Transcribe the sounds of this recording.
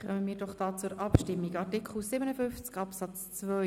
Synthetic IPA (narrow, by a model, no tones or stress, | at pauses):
χœməmiːɾdɔχd̥ɑːt͡sʊɾʔɑpʃtɪmːiɡɑɾtikχl̩sɪbənəfʏnft͡skɑpsɑt͡st͡svœ